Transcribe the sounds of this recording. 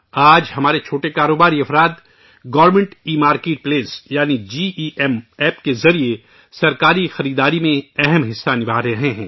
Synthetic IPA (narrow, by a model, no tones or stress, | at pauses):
aːd͡ʒhɐmaːɾet͡ʃʰoːʈekaːɾoːbaːɾiɐfɾaːt̪ | ɡɐʋɾmə̃ɳʈiːmaːɾkeːʈ̚pleːsjaːnid͡ʒiːʔiʔɛmɛːp̚kezɐɾie | sɐɾkaːɾixɐɾiːd̪aːɾimẽɛɦɛmɦɪsːanɪbʱaːɾeɦẽɦɛ̃ː